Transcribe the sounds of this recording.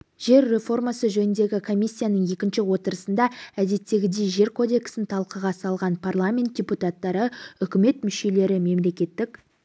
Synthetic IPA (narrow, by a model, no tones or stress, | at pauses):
ʒ̥e̞ɾːe̞fo̞rmasəʒɵnɪnd̪e̞ɡʲɪkʰo̞mʲijsʲːijanəɴje̞kʲɪnʃɪwo̞t̪əɾəsənd̪ɑæd̪e̞t̪ːe̞ɡʲɪd̪e̞ʒe̞ɾkʰo̞d̪e̞ksɪnt̪ʰɑlˠqəʁɑsɑlˠʁɑnpʰarlˠamʲe̞nt̪̚d̥ʲeput̪at̪ːɑɾəʏkʲɪme̞t̪mʏʃe̞le̞ɾɪme̞mle̞kʲe̞t̪ːɪk